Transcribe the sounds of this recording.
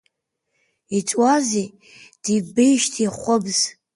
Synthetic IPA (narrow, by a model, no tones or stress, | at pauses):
it͡ʃʼwaze | d̥ibejʃtʰiχʷəbz̥